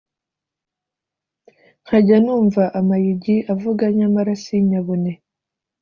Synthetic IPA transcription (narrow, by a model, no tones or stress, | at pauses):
xaɟanuːɱvaʔamajiɟiʔavuɡaɲamaɾasiɲaβune